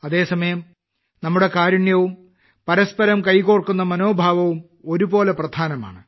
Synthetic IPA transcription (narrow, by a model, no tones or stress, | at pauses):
ɐðe̞ːsɐmɐjɐm | nɐmːuɽe̞kaːɾɐɳjɐʋum | pɐɾɐspɐɾɐmkɐjkoːrkun̪ːɐmɐno̞ːbʱaːʋɐʋum | o̞ɾubo̞ːleprɐd̪ʱaːnɐma̰ːɳɨ